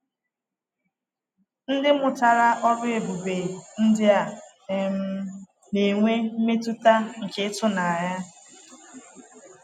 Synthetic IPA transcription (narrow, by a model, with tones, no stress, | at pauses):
n̩˦dɪ˦mʊ˨ta˨ɾa˦ʔɔ˦ɾʊ˦e˨bu˨be˨n̩˦dɪ˦a˦˨ | m̩˦ | ne˨ŋʷe˦m̩˦me˦tu˦ta˦ŋ̩˨ke˨˦tʊ˦na˨ɲa˦